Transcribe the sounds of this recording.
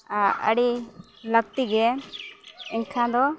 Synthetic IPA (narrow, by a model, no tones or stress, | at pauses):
ə̰ɽi | lək̚t̪iɡɛ | ɛŋkʰãd̪ɔ